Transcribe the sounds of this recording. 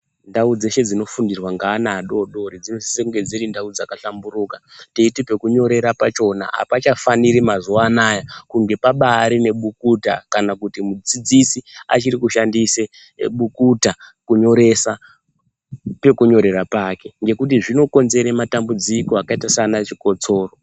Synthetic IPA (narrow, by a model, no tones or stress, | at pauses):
ndaud͡ze̞ʃe̞d͡zino̞fundirwaŋɡaːnaːɗo̞ɗo̞ɾid͡zinosi̥sekuŋɡe̞d͡ziɾindaud͡zakaɬamburuːkatiitipe̞kuɲo̞ɾe̞ɾapat͡ʃo̞na̰ɦa̰pat͡ʃafaniɾimazuaːnajakuŋɡe̞paɓaːɾine̞ɓukuta̰kanakutimud͡zid͡zisia̰t͡ʃirikuʃandise | ɓukutakuɲo̞ɾe̞sa | pe̞kuɲo̞ɾe̞ɾapaːke̞ŋɡe̞kut̬iʐino̞ko̞nze̞ɾematambud͡zikoakaitasaːnat͡ʃiko̞t͡so̞ːro̞